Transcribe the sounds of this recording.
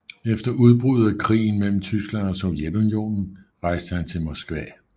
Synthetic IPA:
efd̥ɐʔuð̞ˠb̥ʁuð̞̩ˠækʰʁḭːn̩mel̰m̩t͡sʰysɡ̥lænɒ̽soʊjed̥unijo̝̰ːnn̩ʁɑ̈ɪ̰sd̥əhænt͡sʰe̝lmɒ̽sɡ̥ʋɛ̰

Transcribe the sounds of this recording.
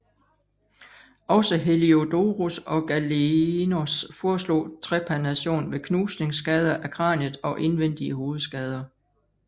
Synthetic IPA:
ɒ̽səɦe̝lio̝d̥oʁusɒ̽ɡ̥ælenosfɒːslo̝̰ːt͡sʰʁɛpʰænæɕo̝̰ːnʋe̝kʰnuːsne̝ŋsːɡ̥ɛːð̞ˠɐʔækʰʁɑ̰̈ːnəðˠɒ̽ʔe̝nʋen̰d̥iəɦo̝ːð̞̩ˠsɡ̥ɛːð̞ˠɐ

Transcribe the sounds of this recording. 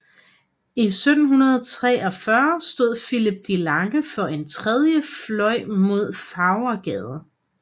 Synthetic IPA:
isød̥n̩ɦunɐð̞ˠt͡sʰʁɛ̰ːɒ̽fɶɐsd̥o̝ð̞̰ˠfilib̥̚d̥ilɑ̈ŋɡ̥əfɒ̽ʔe̝nt͡sʰʁɛð̞ˠjəflɒ̽ɪ̰mo̝ð̞̰ˠfɑ̈ʊɐɡ̥ɛːðˠ

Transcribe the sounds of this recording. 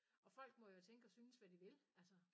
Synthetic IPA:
ʔɒ̽fɒ̽l̰ɡ̥̚mɒ̽jot͡sʰeŋɡ̥əɒ̽syːnəsʋæd̥iʋe̝lælsə

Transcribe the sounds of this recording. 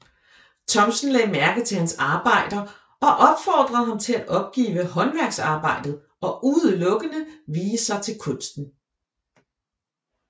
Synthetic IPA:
t͡sʰɒ̽msn̩lɛ̰ːmæɐɡ̥ðt͡sʰe̝hænsɑ̈ːb̥ɑ̈ɪ̰d̥ɐ | ɒ̽ʔɒ̽b̥fɒ̰ːd̥ʁɐð̩ˠɦɑ̈mt͡sʰe̝lædʔɒ̽b̥̚ɡ̥ḭːʋəhɒ̽nʋæɐɡ̥sɑ̈ːb̥ɑ̈ɪ̰d̥ð̞̩ˠ | ɒ̽ʔuðˠəlɔ̽ɡ̥ənəʋiːəsɑ̈ɪt͡sʰe̝lkʰɔ̽n̰sd̥n̩

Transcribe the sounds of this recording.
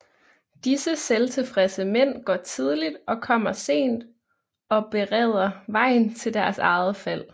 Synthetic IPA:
d̥isəselt͡sʰe̝fʁɛsəmen̰ɡ̥ɒt͡sʰið̞ˠlid̥ʔɒ̽kʰɒ̽m̰ɐse̝̰ːnd̥ | ɒ̽b̥e̝ʁɛːð̞̰ˠɐʋɑ̈ɪ̰nt͡sʰe̝ld̥æɐsɑ̈ɪð̞̩ˠəfæl̰

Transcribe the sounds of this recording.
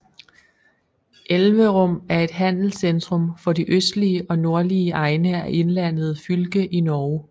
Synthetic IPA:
ʔelʋəʁɔ̽m̰æɐe̝d̥ɦæn̰l̩send̥ʁɔ̽mfɒ̽diʔøsd̥liəʔɒ̽no̝ɐliəʔɑ̈ɪnəæʔe̝nlæn̰ð̞̩ˠfylɡ̥əʔinɒː

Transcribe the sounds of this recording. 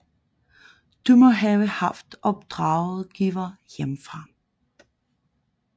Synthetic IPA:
d̥umɒ̽ɦɛːʊəhɑfd̥ɒ̽b̥̚d̥ʁɑ̈ʊð̩ˠɡ̥iːʋɐjemfʁɑ̈

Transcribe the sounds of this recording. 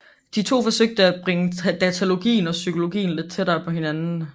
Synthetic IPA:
d̥it͡sʰo̝̰ːfɒ̽søɡ̥̚d̥əæb̥ʁeŋəd̥æt͡sʰælo̝ɡ̥ḭːn̩ɒ̽sykʰo̝lo̝ɡ̥ḭːn̩le̝d̥̚t͡sʰe̝d̥ɑ̈ɪpʰɒ̽ɦe̝nænn̩

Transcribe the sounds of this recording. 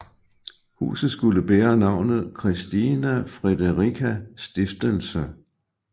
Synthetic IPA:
hṵːsð̩ˠsɡ̥uləb̥eːɐnɑ̈ʊ̰nð̞̩ˠkʰʁisd̥inæfʁɛd̥əʁikʰæsd̥efd̥əlsə

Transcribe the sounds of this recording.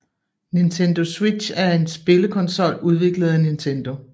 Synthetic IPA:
nint͡sʰend̥o̝swidɕæɐe̝nsb̥e̝ləkʰɒ̽nsɒ̽l̰uð̞ˠʋe̝ɡ̥ləð̞̩ˠænint͡sʰend̥o̝

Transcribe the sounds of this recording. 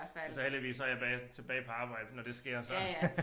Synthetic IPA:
sɒ̽hel̰d̥iʋḭːshɒɐjɑ̈bɛt͡sʰe̝b̥ɛ̰ːɪpʰɒ̽ɑ̈ːb̥ɑ̈ɪ̰d̥ənɒd̥e̝sɡ̥e̝ɐ̰sɒ

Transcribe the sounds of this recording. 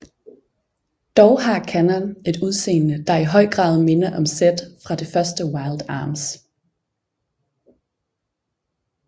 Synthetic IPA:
d̥ɒʊɦɑ̈kʰænɐne̝d̥uð̞ˠse̝̰ːnnəd̥ɑ̈iɦɒ̽ɪ̰ɡ̥ʁɑ̰̈ːð̞ˠme̝nɐʔɒ̽msed̥fʁɑ̈d̥e̝fɶɐsd̥əwɑ̈ɪld̥ɑ̰̈ːms

